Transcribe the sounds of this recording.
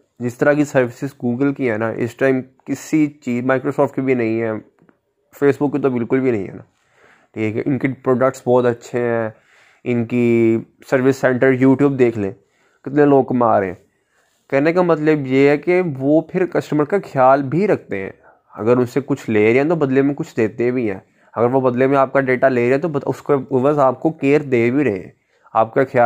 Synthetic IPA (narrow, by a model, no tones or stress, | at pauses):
d͡ʒɪst̪əɾakisɐɾʋɪsɪsɡuːɡəlkiɦɛːnaʔɪ̰sʈaːɪmkɪsit͡ʃiːzmaːɪkɾosɔːfʈkibʱinɐɦĩɦɛː | feːsbʊkːit̪obɪlkʊlbʱinɐ̃ɦĩɦɛ̰ːnaː | ʈʰiːkɛ̰ʔɪnkipɾoːɖək̚ʈsbɔːt̪ɐtːʃʰeɦɛ̃ː | ɪnkisɐɾʋɪsːɛ̃ːɳʈəɾjuːʈjuːb̚d̪eːkʰlẽː | kɪt̪neloːɡ̚kɐmaːɾeɛ̰̃ː | kɛɦnekamɐt̪ləbjeɦɛkeʋopʰɪɾkɐsʈəməɾkaxʰjaːlbʱiɾɐk̚ʰt̪eɦɛ̰̃ː | ɐ̰ɡəɾʊnsekʊt͡ʃʰleːɾɛẽt̪obɐd̪lemẽkʊt͡ʃʰd̪eːt̪ebʱiɦɛ̰ː | ɐɡəɾʋobɐd̪lemẽaːp̚kaɖeːʈaleːɾeɛ̃t̪̬oʊskeʊʋəzaːp̚kokeːɾd̪eːbʱiɾɐɦḛ̃ɦɛ̰̃ː | aːp̚kaxʰjaː